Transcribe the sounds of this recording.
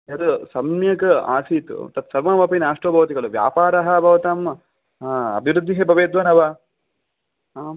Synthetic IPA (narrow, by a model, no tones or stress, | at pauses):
ɐd̪usɐmjɐkɐa̰ːsiːt̪ṵt̪ɐt̪sɐɾʋɐnbʱɐpinaːʂʈɐːbʱɐʋɐt̪iɡɐɭuʋja̰ːpaːɾɐɦɐbʱɐʋɐt̪am | ɐ̰bʱiʋɾud̪ʱːiɦebʱɐʋeːd̪ʋɐnɐʋaː